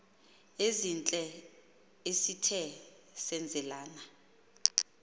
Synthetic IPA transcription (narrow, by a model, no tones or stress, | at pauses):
ezint͡ɬʼɛ | esitʰɛ | sɛnd͡zʱɛlaːna